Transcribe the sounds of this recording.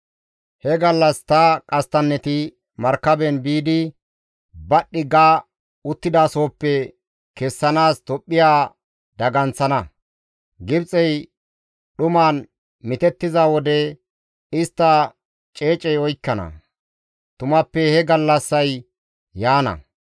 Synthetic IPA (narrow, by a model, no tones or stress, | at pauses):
hɛɡɐlːɐst̪ɐkʼɐst̪ɐnːɛt̪ɪ | mɐɾkːɐbɛnbiːd̪ɪ | bɐɗːɪɡaː | ʊt̪ːɪd̪aːso̞ːpːɛ | kɛsːɐnaːst̪ɔpʼːɪjaː | d̪ɐɡɐnt͡sːɐnɐ | ɡɪbt͡sʼɛj | ɗʊmaːn | mɪt̪ɛt̪ːɪzawɔd̪ɛ | ɪst̪ːɐ | t͡ʃʼe̞ːt͡ʃʼɛjɔjkːɐnɐ̰ | t̪ʊmɐpːɛhɛɡɐlːɐsːɐj | jaːnɐ̰